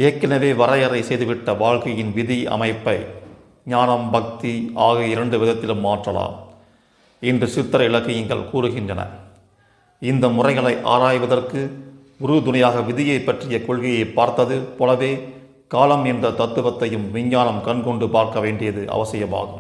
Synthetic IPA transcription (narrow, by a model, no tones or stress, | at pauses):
eːkːɐnɐʋeːʋɐɾɐjɐɾɐɪsɛjðɯʋɪʈːɐʋaːɻkɐjɪnʋɪðiɐ̰mɐɪpːɐɪ | ɲaːnɐmbɐk̚t̪iaːɣɐɪɾɐɳɖɯʋɪðɐt̪ːɪlɯmːaːʈrɐla̰ːm | ɪndrɯsɪt̪ːɐɾɐɪɭɐkːɐjɪŋɡɐ̰ɭkuːɾɯɣɪndrɐnɐ̰ | ɪnd̪ɐmʊrɐɪɣɐɭɐɪʔa̰ːɾaːjʋɐðɐrkɯ | ʊɾɯd̪ʊnɐjaːɣɐʋɪðɪjɐɪpːɐʈrɪjɐkɔɻɣɐjɐɪpːaːɾt̪ːɐðɯpɔlɐʋeː | kaːlɐmɛndrɐt̪ɐt̪ːɯʋɐt̪ːɐjɯmʋɪɲːaːnɐmkɐɳkɔɳɖɯpaːɾkɐʋeːɳɖɪjɐðɯʔɐ̰ʋɐsɪjɐma̰ːɣɯm